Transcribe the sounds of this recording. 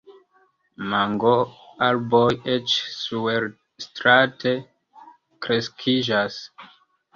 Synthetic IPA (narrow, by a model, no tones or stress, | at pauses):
maŋɡoalbojet͡ʃsueɾ | stɾatʰe | kɾe̞skʰid͡ʒas